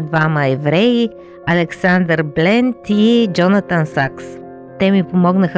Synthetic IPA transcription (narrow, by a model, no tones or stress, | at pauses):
d̪vaməɛvɾɛi | ɐlɛksand̪əɾblɛnt̪id͡ʒɔnət̪ənsaks | t̪ɛmipomɔɡnəx